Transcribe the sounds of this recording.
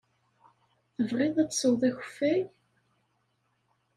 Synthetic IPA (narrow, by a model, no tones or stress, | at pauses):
θəvʁɪðˤæt̪ːsəwðˤæçə̥fːæj